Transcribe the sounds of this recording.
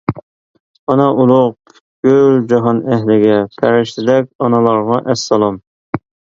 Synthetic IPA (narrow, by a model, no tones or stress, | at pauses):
ɑnɑʔulˠʊq̚ | ɡ̥ʲøld͡ʒɑɦɑnæɦlɪɡʲɛpʰæɾɪʃt̪ɪd̪ɛk̚ʲɑnɑlˠɑɾʁɑʔɛsːɑlˠɑm